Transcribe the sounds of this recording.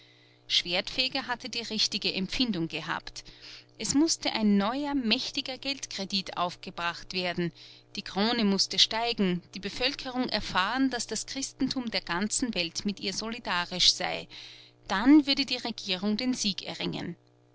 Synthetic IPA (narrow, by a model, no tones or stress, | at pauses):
ʃv̥eːɐtfɛːɡɐɦatədiːʁɪçtɪɡəʔɛmpfɪndʊŋɡ̥əɦa̰ːptʔɛsmʊstəʔaɪnːɔʏɐmɛçtɪɡɐɡɛltkʁ̥ediːtʰʔa̰ʊfɡ̥əbʁaχtv̥eːɐdn̩d̥iːɡ̥ʁ̥oːnəmʊstəʃtaɪɡŋ̩d̥iːbəfœlkʰəʁʊŋʔɛɐfaːʁənd̥asd̥askʁ̥ɪstn̩tʰuːmdeːɐɡ̥ant͡sn̩vɛltmɪtʔḭːɐzolidaːʁɪʃz̥a̰ɪd̥anvʏɐdədiːʁeɡiːʁʊŋdeːnziːkɛ̰ɐʁɪŋə̰n